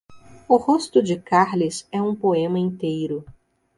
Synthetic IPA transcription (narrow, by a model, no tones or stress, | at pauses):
ʊhost̪ʊd͡ʒɪkaɾlɪsɛũpoẽmɐĩt̪ejɾʊ